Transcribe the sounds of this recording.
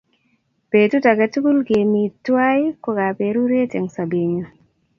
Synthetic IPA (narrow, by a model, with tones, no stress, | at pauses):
pe˨tu˦ta˨ɡa˨tu˦ɡu˦lke˨mi˨twa˦jkɔ˦ɡa˨pe˨ɾu˦ɾe˦tɛ˨ŋsa˨be˨ɲo˦